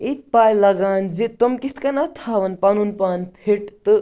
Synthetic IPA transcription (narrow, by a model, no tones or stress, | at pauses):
it̪̚paːjlɐɡaːnd͡ʒit̪omkit̪ʰkɐnɐt̪ʰaːʋɐnpɐnunpaːnpʰiʈt̪ɨ